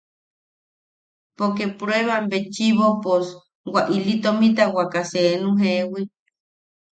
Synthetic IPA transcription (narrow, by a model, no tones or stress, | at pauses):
pokepɾweβambet͡ʃiβopos | waʔilit̪omĩt̪̬awakasenũɦewi